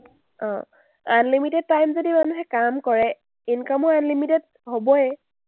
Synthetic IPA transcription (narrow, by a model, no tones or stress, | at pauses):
ɔ̰̃ | a̰nlimitɛd̚tajmzodimanuɦɛkamkɔɹɛ | inkamɔɹanlimitɛd | hobɔɛ